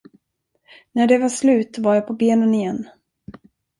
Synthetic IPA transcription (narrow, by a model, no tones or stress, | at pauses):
næɖɛvaʂlʉ̟ːt̪vaɾjaːpʰɔbeːnənɪjɛnː